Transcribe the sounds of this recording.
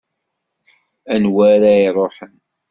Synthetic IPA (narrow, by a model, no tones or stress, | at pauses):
ænwæɾaiɾˤoħən